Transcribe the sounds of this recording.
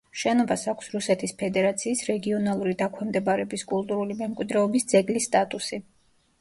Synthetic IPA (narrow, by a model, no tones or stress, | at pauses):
ʃɛnɔbasakʷʰsɾusɛt̪ʰispʰɛd̪ɛɾat̪sʰiːsɾɛɡiɔnalˠuɾid̪akʰwɛmd̪ɛbaɾɛbiskʼulˠt̪ʼuɾulimɛmkʼwid̪ɾɛɔbisd̪zɛɡlist̪ʼat̪ʼusi